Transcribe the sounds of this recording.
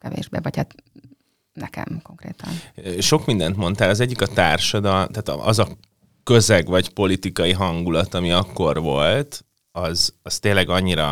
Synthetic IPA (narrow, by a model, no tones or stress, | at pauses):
kɛvḛːʒbḛːvɒchat̪ | nɛkɛ̰mko̞ŋkrḛːt̪ɒ̰nøʃo̞kmind̪ɛnt̪mo̞nt̪aːlɒzɛɟːikɒt̪aːrʃɒd̪ɒlmt̪aːt̪ɒzɒ | kø̞zɛɡʋɒcpo̞lit̪ikɒjiɦɒŋɡulɒt̪ɒmiɒkːo̞rʋo̞lt̪ | ɒzɒst̪eːnlːɛɡɒɲːiɾɒ